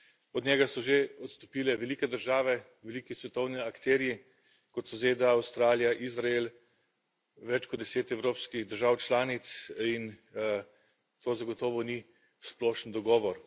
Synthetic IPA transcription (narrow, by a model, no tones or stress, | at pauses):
ɔd̪ɲɛːɡasɔʒeɔt̪st̪ɔ̥piːlɛʋɛlikɛd̪əɾʒaːʋɛ | ʋɛliːkisʋɛt̪ɔwniakt̪ɛːɾiji | kɔt̪sɔzeːd̪aːwst̪ɾaːljaʔizɾael | ʋɛt͡ʃkɔd̪d̪ɛseːt̪ɛwɾoːpskiɣd̪əɾʒawt͡ʃlaːnit̪sin | t̪oːzaɡɔt̪ɔːʋɔni | splɔːʃənd̪ɔɡɔːʋɔɾ